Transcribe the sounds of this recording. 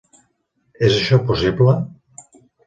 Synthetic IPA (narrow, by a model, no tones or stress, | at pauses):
ɛzəʃɔpusiblə